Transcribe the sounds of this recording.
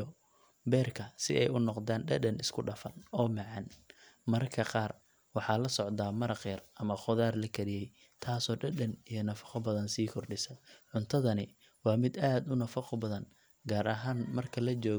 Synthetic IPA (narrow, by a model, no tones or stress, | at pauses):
bɛːrkʰɐsɪ̰ʔɛjʊnɔqd̪aːnɖɐdɐnɪskʰʊɖɐfɐnɔːmɑʕɑn | mɐrkʰɐqɑːr | wɑħɑːlɐsɔʕd̪aːmɐɾɐqjɐrɐmɐχʊðaːrlɐkʰɐɾɪjɛj | t̪ʰaːsɔːɖɐɗɐnijɔnɐfɐ̥qɔbɐðɐnsiːkʰɔrɖɪsɐʕʊnt̪ʰɐðɐnɪ | wɑːmɪd̪aːd̪ʊnɐfɐqɔbɐðɐn | ɡaːɾɐɦaːnmɐrkʰɐlɐt͡ʃɔːɣ